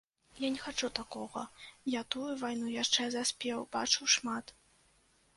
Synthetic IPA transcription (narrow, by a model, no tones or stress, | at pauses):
janʲɛxat͡ʂut̪akɔɣɐ̰jat̪ujuvajnujaʂt͡ʂɛzasʲpʲɛwb̥at͡ʂɨwʂmat̪